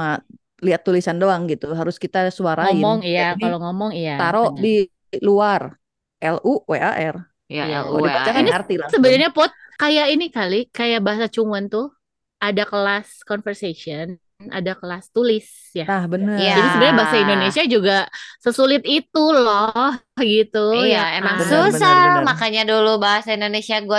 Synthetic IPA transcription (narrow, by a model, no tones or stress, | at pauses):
ma | liɦat̪ːulisandoaŋɡit̪uɦaɾʊskit̪asuaɾaɔimɔŋijakaloŋɔmɔŋijat̪aɾoʔdi | luar | ʔɛluweaʔɛr | adiat͡ʃakiniart̪ilasəbənarɲapɔt̪̚kajainikalikajaʔbaɦasat͡ʃuŋant̪ʊ | adakəlaskɔnfərsesiən | a̰dakəlast̪ulɪs | janahbənəjd͡ʒadisəbənaɾɲabaɦasaindonesiad͡ʒuɡasəsulɪt̪̚it̪ulɔhɡit̪ujaemasusamakaɲadulubaɦasaindonesiaɡua